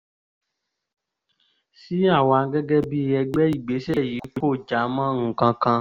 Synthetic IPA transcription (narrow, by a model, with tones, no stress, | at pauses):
si˦a˦˨wa˨˦ɡɛ˦ɡɛ˦bi˧ɛ˧ɡ͡bɛ˦i˦˨ɡ͡be˨˦sɛ˨˦˨ji˨˦ko˦o˦˨d͡ʒa˨˦mã˦ŋ̩˨kã˧kã˧